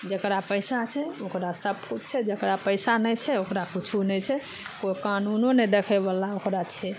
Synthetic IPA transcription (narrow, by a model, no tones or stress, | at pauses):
d͡ʒəkɾapəjsat͡ʃʰɛokɾasəb̚kut͡ʃʰt͡ʃʰɛd͡ʒəkɾapəjsanɛt͡ʃʰɛokɾakit͡ʃʰunɛt͡ʃʰɛ | kokanunoned̪ekʰɛbalaokɾat͡ʃʰɛ